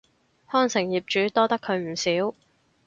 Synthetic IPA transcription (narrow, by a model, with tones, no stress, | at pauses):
hɔː˥nsɪ˨˩ŋjiː˨p̚t͡ʃyː˨˥t̪ɔː˥t̪ɐ˥kʰːɵ˨˧ɥm̩˨˩siː˨˥w